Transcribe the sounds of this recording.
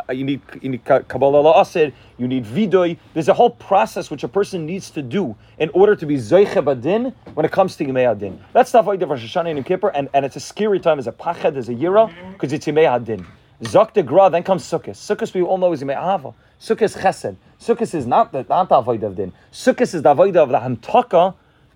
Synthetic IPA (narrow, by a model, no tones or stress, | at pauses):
jɨnid̚jɨnid̚kʰkʰəbɔlˠəlˠəɔsɪd̚ | jɨnidvidʊɪðə˞zəɦoʊlˠpʰɹ̥ɑsɛswɨt͡ʃəpʰɜ˞sɨ̃nːidz̥tʰɨdu | ʔɨ̃nɔɹɾə˞ɾɨbizɔɪχəbadɪ̃nwə̃nɨt̚kʰʌ̃mz̥tʰɨjɨmeɪadɪ̰̃nðætsðəavoɪdəʌvɹɑʃəʃɔnə̃nɪ̃mkʰɪpə˞ʔɨ̃nɨ̃nɨtsɨskɛɹitʰãɪ̃mɨzəpʰaχəd̪̚ðəzɨjɪɹəkʰʌzɨtsjɨmeɪadɪ̃n | zɔk̚t̪ɨɡɹɔðɨ̃nkʰʌ̃mz̥sʊkɨsːʊkɨswiɔlˠnoʊɨzjəmeɪa̰avə̰ | sʊkɨsχɛsɛd̥̚ | sʊkɨsɨznət̪̚ðənət̪̚ðiavoɪdəʌvdɪ̰̃n | sʊkɨsɨzðiavoɪdəʌvðəhãntʰɔkə